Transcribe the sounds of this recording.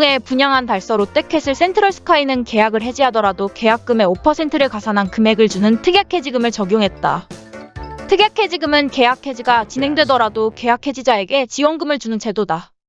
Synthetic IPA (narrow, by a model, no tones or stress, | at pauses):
ŋe̞puɲaŋɦantaɭs͈ʌɾot͈e̞kʰe̞sʰɯɭs͈e̞ntʰɯɾʌɭsʰɯ̥kʰainɯnke̞jaɡɯɭɦe̞d͡ʑiɦadʌɾadoke̞jak̚k͈ɯme̞opʰʌsʰe̞ntʰɯɾɯɭkasʰanankɯme̞ɡɯɭt͡ɕunɯntʰɯɡjakʰe̞d͡ʑiɡɯmɯɭt͡ɕʌɡjoŋɦe̞t̚t͈a̰ | tʰɯɡjakʰe̞d͡ʑiɡɯmɯnke̞jakʰe̞d͡ʑiɡat͡ɕinɦe̞ŋdwe̞dʌɾadoke̞jakʰe̞d͡ʑid͡ʑae̞ɡe̞t͡ɕiwʌnɡɯmɯɭt͡ɕunɯnt͡ɕʰe̞doda